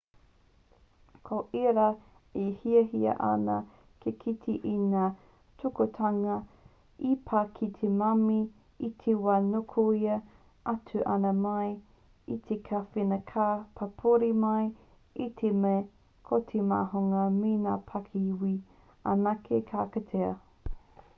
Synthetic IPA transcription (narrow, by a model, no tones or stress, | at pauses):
kʰoʔiɾa | ihiɐɦiɐ̰ʔɐ̰nɐ | kʰekʰitʰiʔinaː | tʰukotʰaŋɐ | ipʰakʰit̪ʰemami | it̪ʰewanokʰoiɐ | ʔatʰʉʔɐnɐmɐj | it̪ʰekʰafinɐkʰapʰapʰoɾimɐj | it̪ʰemeː | kʰotʰema̰ːɦoŋɐminaːpʰakʰiwi | a̰nakʰekʰaːkɐtʰeɐ̰